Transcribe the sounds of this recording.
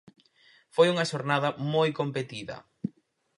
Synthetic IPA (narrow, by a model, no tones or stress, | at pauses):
fojuŋɐʃoɾnaðɐmojkompet̪iðɐ̰